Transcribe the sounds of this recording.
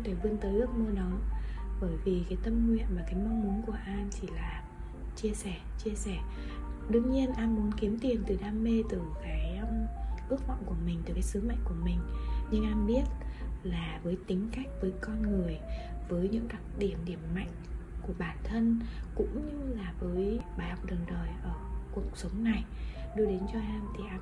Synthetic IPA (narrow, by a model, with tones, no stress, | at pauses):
t̪ʰe˧˩ɓɨ˧ənt̪əː˨˦jʔɨ˦˥t̚məː˧nɔ˨˦ɓəː˧˩jvi˨˩kaː˨˦jt̪ə˧mŋwḭ˧˨ənmaː˨˩kaː˨˦jma˧wŋ͡mmu˨˦ənku˧˩əʔaː˧nt͡ɕi˧˩laː˨˩ | t͡ɕi˧əsɛ˧˩t͡ɕi˧əsɛ˧˩ | ɗɨ˧əŋɲi˧ənʔaː˧nmu˨˦ənki˨˦əmt̪i˨˩ənt̪ɨ˨˩ɗaː˧mːe˧t̪ɨ˨˩kaː˨˦jmʔɨ˦˥ək̚vɔ̰˧˨ŋ͡mku˧˩əmï˨˩ŋ̟t̪ɨ˨˩kaː˨˦jsɨ˨˦ma̰˧˨jŋ̟ku˧˩əmï˨˩ŋ̟ɲɨ˧ŋʔaː˧mɓi˦˥ət̚laː˨˩vəː˨˦jt̪ï˨˦ŋ̟ka˦˥jk̟̚vəː˨˦jkɔ˧nŋɨ˨˩əjvəː˨˦jɲɨ̰˧˥ŋɗa˨˩t̚ɗi˧˩əmɗi˧˩əmːa̰˧˨jŋ̟ku˧˩əɓaː˧˩nt̪ʰə˧nkʊ̰˧˥ŋ͡mɲɨ˧laː˨˩vəː˨˦jɓaː˨˩jha˨˩wk͡p̚ɗəː˨˩ɗəː˨˩jʔəː˧˩ku˨˩ək̚sə˨˦wŋ͡mna˨˩jɗu˧jɗe˨˦nt͡ɕɔ˧ʔaː˧mt̪ʰi˨˩ʔaː˧